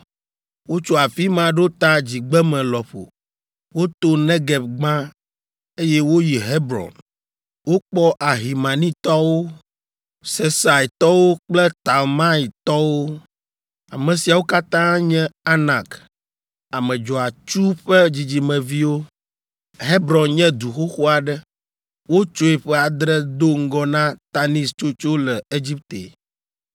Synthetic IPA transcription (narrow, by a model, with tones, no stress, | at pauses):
wo˦t͡ʃo˦a˨fi˦mã˨ɖo˦t̪a˦d͡ʑi˨ɡ͡bɛ˦mɛ̃˨lɔ˨ɸo̰˨ | wo˦t̪o˦nɛ̃˦ɡɛ˨bɡ͡bã˦ | e˦jɛ˦wo˦ji˨ɦe˦bɾɔ̰˨n | wo˦k͡pɔ˦ʔa˨ɦi˨mã˨nĩ˦t̪ɔ˦wo˦ | se˦sa˨i˨t̪ɔ˦wo˦k͡plɛ˦t̪a˨lmã˦i˨t̪ɔ˦wo˦ | a˨mɛ̃˨si˨a˨wo˦ka˦t̪ã˦ɲɛ̃˦a˦na˨k | a˨mɛ̃˨d͡ʒɔ˨a˨t͡ʃu˦ɸɛ˦d͡ʑi˨d͡ʑi˨mɛ̃˨vi˦wo˦ | ɦe˦bɾɔ̃˨nɲɛ̃˦d̪u˨xo˦xo˦a˨ɖɛ˦ | wo˦t͡ʃo˦ɛ˨ɸɛ˦a˨d̪ɾɛ˦d̪o˦ŋ̩˦ɡɔ˦nã˦t̪a˦nĩ˦st͡ʃo˦t͡ʃo˦lɛ˨e˦d͡ʑi˦p̚t̪ḛ˨